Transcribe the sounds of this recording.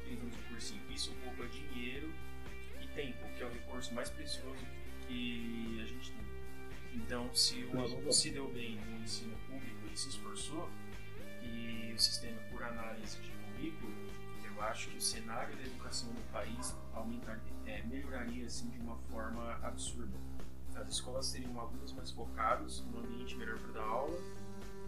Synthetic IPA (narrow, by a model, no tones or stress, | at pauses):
pĩzɐ̃mʊzɪpoɾsĩ | isʊkobɾɐd͡ʒĩɲejɾʊ | ɪt̪ẽj̃pʊkɪɛʊɦekuɾsʊmajspɾesiozʊ | kɪ | aʒẽnt͡ʃɪ̥t̪ẽj̃ | ẽnt̪ɐ̃w̃sɪũmal̃sɪd̪ewbẽj̃nʊ̃ẽsĩnʊpublikʊɪsɪɪsfoɾso | ɪ | ʊsi̥st̪ẽmɐpʊɾanalizɪd͡ʒipʊmiɡʊ | ewaʃʊ̥kɪʊsenaɾjʊd̪ɐed̪ukasɐ̃w̃d̪ʊpais | awmẽnt̪aɾ | ɛmeʎoɾaɾiɐasĩd͡ʒɪũmɐfɔɾmɐa̰bɪsuɾd̪ɐ | ɐzɪskɔlɐsteɾĩɐ̃alũnʊzmajsfokad̪ʊsũɐ̃mbiẽnt͡ʃɪmeʎɔɾpɾd̪aawlɐ